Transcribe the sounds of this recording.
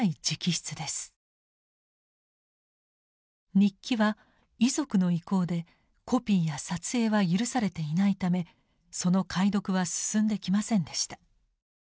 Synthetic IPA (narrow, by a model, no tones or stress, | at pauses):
id͡ʑikʲiɕi̥t͡sɨd̪e̞sɨ̥ | ɲ̟ikʲːiβa | izo̞kɯ̟no̞iko̞ːd̪e̞ | ko̞pʲiːjasat͡sɨe̞ːβajɯ̟ɾɯ̟saɾe̞t̪e̞inait̪ame̞ | so̞no̞kʰaid̪o̞kɯ̟βasɨ̥sɨ̃nd̪e̞kʲimasẽ̞nd̪e̞ɕi̥t̪ḁ